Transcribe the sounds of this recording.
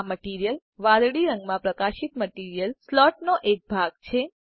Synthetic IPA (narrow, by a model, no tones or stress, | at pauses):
məʈiɾijəl | ʋãd̪ɽiɾəŋɡmãpɾəkaʃit̪məʈiɾijəlslɔʈ̚noʔek̚bʱaɡ̚t͡ʃʰe